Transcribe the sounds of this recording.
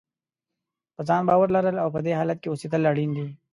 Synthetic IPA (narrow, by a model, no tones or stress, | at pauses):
pəzɑnbɑwəɾlaɾəlawpəd̪eɦɑlat̪̚keosid̪əlaɽind̪i